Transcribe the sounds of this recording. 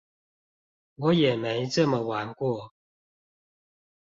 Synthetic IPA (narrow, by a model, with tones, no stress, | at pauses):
wɔ˨˦jɛ˨˩me˨˦ɪt͡sə˥˨mə˨wa˨˦nkwɔ˥˩˨